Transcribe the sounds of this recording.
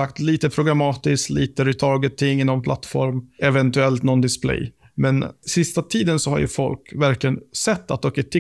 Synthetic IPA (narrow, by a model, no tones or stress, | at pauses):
akt̪liːt̪əpʰɾʊɡɾamɑːt̪ɪskliːt̪əɾɛt̪ʰɑːɡət̪ʰːɪŋːɪnːɔmpʰlat̪ːfɔ̰ɾmɛvɛnt̪ɵɛlt̪nɔnd̪ɪsplɛ̰j | mɛnsɪst̪at̪ʰiːd̪ənsɔha̰ɾjɵ̰fɔ̰lkvæɾklɪənsɛt̪ːat̪d̪oːkət̪ʰːɪ